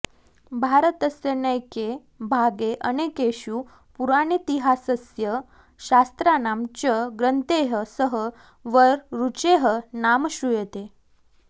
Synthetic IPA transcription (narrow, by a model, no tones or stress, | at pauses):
bʱaɾət̪əsjənəjke | bʱaɡeʔənekeɕuː | puɾañit̪iɦasəsjə | ɕast̪ɾanamt͡ɕəɡɾənt̪eɦəsəɦə | ʋəɾɾut͡ɕeɦənamɕujet̪e